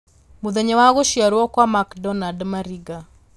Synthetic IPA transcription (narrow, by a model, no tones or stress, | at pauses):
muðeɲɛwaɣoʃjaɾwɔkwamakdɔnadmaɾiɡa